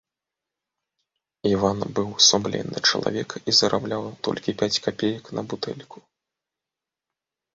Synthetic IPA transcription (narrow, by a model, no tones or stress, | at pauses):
ivanbɨwsumlʲɛ̰nːɨ̰t͡ʂɐlˠa̰vʲɛkizɐɾʔablʲawt̪ɔ̰lʲkʲipʲat͡sʲkapʲejɐknʔɐbut̪ɛ̰lʲkʰu̥